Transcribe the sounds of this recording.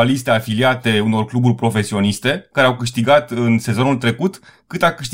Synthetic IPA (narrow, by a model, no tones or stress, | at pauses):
alist̪e̞afiliat̪e̞uno̞rkluburʲpɾo̞fe̞sio̞nist̪e̞kaɾeawkɨʃt̪iɡat̪ɨnse̞zo̞nult̪ɾe̞kut̪kɨt̪akɨʃt̪